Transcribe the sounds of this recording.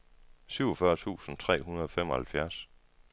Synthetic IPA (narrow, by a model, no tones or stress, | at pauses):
syʊɒfɶɐt͡sʰṵːsn̩t͡sʰʁɛ̰ːɦunɐð̞ˠɒ̽fem̰ɒhælfjæɐs